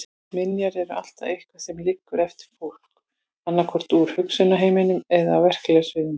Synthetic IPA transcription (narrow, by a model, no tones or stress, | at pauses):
mɪnjaɾɛɾʏʔa̰l̥t̪aðejhkvasɛmlɪkːʏɾɛft̪ɪ̥ɾ̥fowl̥k | anːakʰɔr̥t̪uɾ̥hʏksʏnːaɦeːjmenʏmɛðaːwvɛr̥klɛɣasvɪːðʏm